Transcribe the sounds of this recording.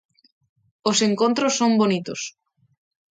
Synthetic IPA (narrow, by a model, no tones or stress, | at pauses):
oseŋkõnt̪ɾosːombonit̪os